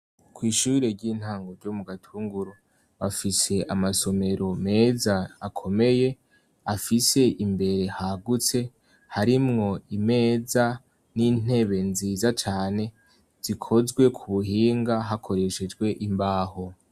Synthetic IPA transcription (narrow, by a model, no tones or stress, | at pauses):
kwiːʃuiɾe̞ɾɟiːn̥haːŋɡoɾɟomuɡatʰuːŋɡuɾo | βafise̞ʔamaso̞me̞ɾo̞me̞ːzaːkʰo̞me̞je̞ | afise̞ʔimbe̞ɾe̞haɡut͡se̞ | haɾimŋo̞ime̞ːza | niːn̥e̞βe̞nziːzat͡ʃaːne̞ | z̥ikʰo̞zɡwe̞kʰuβuɦiːŋɡaɦakʰo̞ɾe̞ʃed͡ʒɡwe̞ʔimbaːho̞